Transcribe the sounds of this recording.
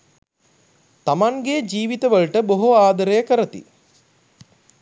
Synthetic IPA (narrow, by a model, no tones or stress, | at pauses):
t̪amaŋɡed͡ʒiːʋit̪əʋəɭʈəboɦoaːd̪əɾəjəkəɾət̪ḭ